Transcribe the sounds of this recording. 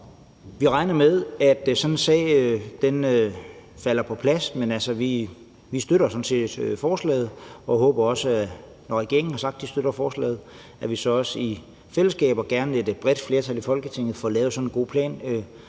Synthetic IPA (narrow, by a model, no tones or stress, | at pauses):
ʋiʁɑ̈ɪnɐmeðˠæd̥sɒ̽nensɛ̰ːd̥enøfæl̰ɐpʰɒ̽pʰlæsmenælsəʋi | ʋisd̥øɾ̥ɐsɒ̽nse̝̰ːd̥øfɒːslɛ̰ːð̩ˠɒ̽ɦɔ̰ːb̥ɐɒ̽səæ | nɒʁɛɡ̥e̝̰ɐŋn̩hɑ̈sɑ̈ɡ̥̚d̥d̥isd̥øɾ̥ɐfɒːslɛ̰ːð̩ˠ | æʋisɒ̽ɒ̽səi | fel̰əsɡ̥ɛ̰ːb̥ɒɡ̥æɐne̝d̥b̥ʁɛd̥fle̝ːɐt͡sʰæl̰ifɒ̽lɡ̥ət͡sʰe̝ŋ̰ð̩ˠfɒːlɛːʊsɒ̽nenɡ̥o̝̰ːpʰlɛ̰ːn